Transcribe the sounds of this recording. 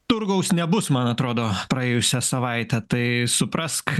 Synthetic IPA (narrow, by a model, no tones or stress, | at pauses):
t̪ʊɾɡɐʊsnʲɛbʊsmɐnɐt̪ɾoːd̪oːpɾɐeːjʊsʲɛsɐʋɐɪt̪ʲɛt̪ɐɪsʊpɾɐsk